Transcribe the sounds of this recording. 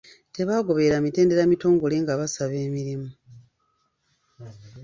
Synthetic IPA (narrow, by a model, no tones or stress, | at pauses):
te̞βaːɡo̞βe̞ɾamite̞ːnde̞ɾamito̞ːŋɡo̞le̞ːŋɡaβasaβe̞ːmiɾimu